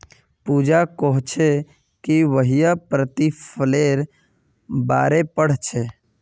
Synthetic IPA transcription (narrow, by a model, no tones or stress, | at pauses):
puːd͡ʒakoɦt͡ʃʰe | kiʋəɦijapɾət̪ipʰəleːɾ | baːɾepəɽ̤t͡ʃʰeː